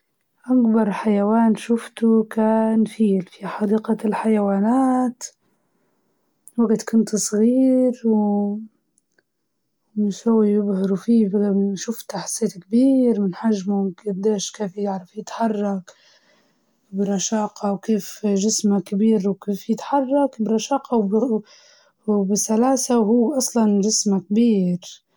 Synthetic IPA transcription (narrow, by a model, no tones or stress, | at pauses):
ʔakbɑɾˤħajawaːnʃʊft̪ukaːnfiːlfiħɑd̪iːqalħajawaːnaːt̪ | waɡt̪kʊnt̪sˤɣiːɾw | mɪʃhʊwːajʊbhɪɾufiːbʃʊft̪ʔaħḁsːeːt̪kbiːɾmɪnħaʒmʊɡabd̪eːʃkeːfjɪʕɾˤɑfjɪt̪ħɑrˤːɑk | bɪɾˤɑʃɑːqɑwkeːfʒɪsmakbiːɾwkeːfjɪt̪ħɑrˤːɑkbɾˤɑʃɑːqʰɑw | bɪsalaːsawhuːʔɑsˤlɑnʒɪsmakbiːɾ